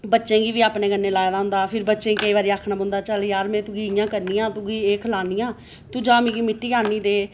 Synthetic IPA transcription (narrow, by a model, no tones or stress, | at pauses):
bətːʃẽːɡiːʋiːaːpneːɡənːeːlaːjd̪aːɦʊ̃nd̪aːpʰɪɾbətːʃẽːkəiːʋaːɾiːaːkʰnaːbʊ̃nd̪aːt͡ʃəljaːɾmɛ̃ːt̪ʊɡiːɪjãːkəɾniːãːt̪ʊɡiːeːkʰəlaːniːãː | t̪ũːd͡ʒaːmĩɡiːmɪʈːiːaːniːd̪eː